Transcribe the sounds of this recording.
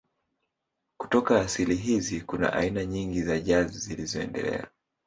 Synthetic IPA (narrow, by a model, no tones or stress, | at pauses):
ku̥tɔkaːsiliɦizikuna̰ʔa̰inaɲiŋɡizaʄazizilizɔɛ̰ndɛ̰lɛ̰a̰